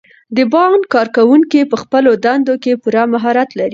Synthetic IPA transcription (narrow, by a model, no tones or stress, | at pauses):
d̪əbɑnkɑɾkawuŋkipəxpəlod̪and̪okepuɾamaɦɑɾat̪laɾi